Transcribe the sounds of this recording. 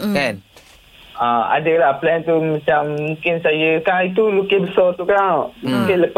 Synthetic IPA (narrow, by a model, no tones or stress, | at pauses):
kan | ʔãa̰dəlahplɛnt̪umãt͡ʃamːũkɪnsajəkait̪̬ulukebəsɔlt̪ukamũkeləp